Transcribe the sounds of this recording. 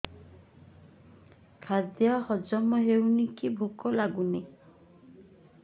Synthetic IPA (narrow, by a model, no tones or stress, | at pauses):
kʰad̪jahɔd͡ʒɔmɔɦewnikibʱukɔlaɡune